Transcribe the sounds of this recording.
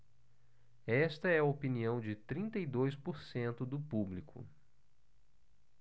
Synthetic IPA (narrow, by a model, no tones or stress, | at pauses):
ɛst̪ɐɛɐopiniɐ̃w̃d͡ʒɪt̪ɾĩnt̪ɐjd̪ojspoɾsẽnt̪ʊd̪ʊpublikʰʊ̰